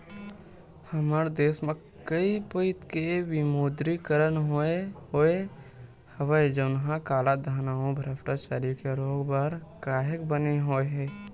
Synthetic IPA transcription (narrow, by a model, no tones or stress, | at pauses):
həmaːɾd̪eːsmẽ | kəipəɪt̪keʋɪmoːd̪ɾikəɾənɦoeɦoe | həʋəed͡ʒənɦãkaːlad̪ʱaːnaːõbʱəɾəpʈat͡ʃaːɾijõkeɾoːɡbaɾkaːɦəkbəneɦoːeɦɛː